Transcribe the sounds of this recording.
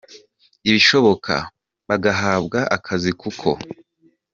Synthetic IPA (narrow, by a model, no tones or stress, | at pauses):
iβiʃo̞βo̞kʰa̰ | βaɡaɦaːbɡaʔakʰazikukʰo̞̰